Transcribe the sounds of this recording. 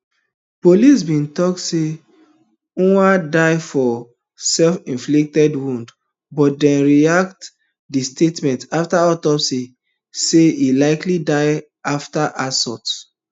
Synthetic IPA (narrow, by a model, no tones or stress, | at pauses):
polis̬bĩntɔk̚tse | ũadaɪfɔ | sɛlfĩnflik̚tɛdwũnd | bɔt̚dɛ̃nɹiakt | distetmɛ̃ntaftaɔtɔpsi | seilaɪklidaɪ | aftaʔasɔts